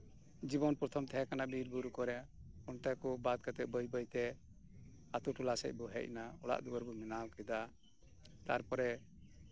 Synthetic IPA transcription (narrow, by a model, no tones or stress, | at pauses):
d͡ʒibɔnpɾɔt̪ʰɔmt̪ʰɛɦɛkanabiɾbuɾukɔɾɛɔnt̪ajkubad̪̚kat̪ɛʔ̚bəjbəjt̪ɛ | at̪uʈulasɛ̰c̚ˀbɔɦɛc̚naɔɽa̰ʔd̪uɡəɾbɔmɛnawkɛd̪a | t̪aɾpɔɾɛ